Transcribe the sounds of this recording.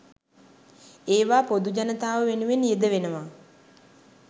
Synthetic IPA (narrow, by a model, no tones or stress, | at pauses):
eːʋaːpod̪ud͡ʒanət̪aːʋəʋenuʋenjed̪əʋenəʋa